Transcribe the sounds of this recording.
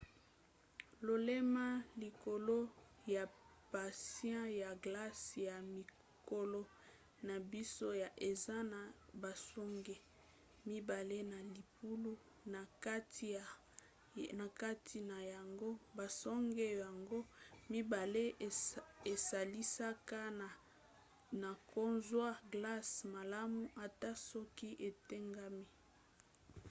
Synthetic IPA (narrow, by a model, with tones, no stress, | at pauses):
lo˨le˦ma˦li˨ko˨lo˦ | ja˨ | pa˨sjã˦ja˨ɡla˦sja˨mi˨ | ko˨lo˦ | na˨bi˦so˦ja˨ʔe˨za˦na˨ba˨sɔ˦ŋɡe˦ | mi˦ba˨le˦na˨li˨pu˦lu˦ | na˨ka˦t | na˨ka˦tʰi˨na˨ja˨ŋɡo˦ba˨sɔ˦ŋɡe˦ja˨ŋɡo˦mi˦ba˨le˦˨e˨sa˨li˦sa˦ka˦n˨ | na˨ko˦nzwa˦ɡla˦sma˨la˦mu˦ʔa˨ta˦sɔ˦ki˦ʔe˨te˦ŋɡa˦mi˦